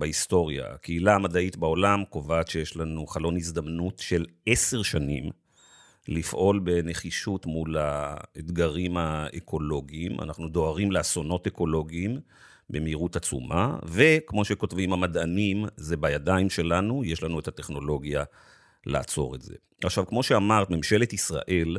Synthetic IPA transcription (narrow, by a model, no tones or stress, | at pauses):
baisto̞ʁja̰a̰kʰeilaːmadaitbao̞lamko̞vaːt̪ʃejeʃlanuχalo̞nizd̪amnutʃe̞lese̞ʁʃanim | lifʔo̞lbe̞ne̞χiʃutmulaedɡaʁimaekʰo̞lo̞ɡiːma̰naχnudo̞aʁimleaso̞no̞te̞ko̞lo̞ɡiːm | bemeiʁutat͡sṵma̰ve̞kmo̞ʃe̞ko̞tvimhamadanimzebajadaimʃe̞lanujeʃlanuetate̞χno̞lo̞ɡja | la̰ːt͡so̞̰ʁetze̞̰ | aχʃavkmo̞ʃeamaʁtmemʃe̞letisʁa̰ʔe̞l